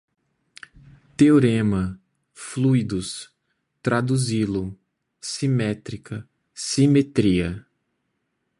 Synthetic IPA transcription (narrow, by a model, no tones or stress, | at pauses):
t̪eoɾẽmɐ | flujd̪ʊs | t̪ɾad̪uzilʊ | simɛt̪ɾikɐ | simet̪ɾiɐ